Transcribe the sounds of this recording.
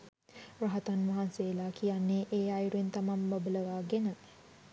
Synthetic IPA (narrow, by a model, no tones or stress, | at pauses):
ɾaɦət̪anʋɐɦanseːlaːkʰijanːeːʔeːajɾuent̪amambabələʋaːɡenə